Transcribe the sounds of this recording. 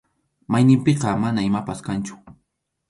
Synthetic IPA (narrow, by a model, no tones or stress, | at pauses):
majnɪmpeqɑmanaɪmapaskant͡ʃʊ̥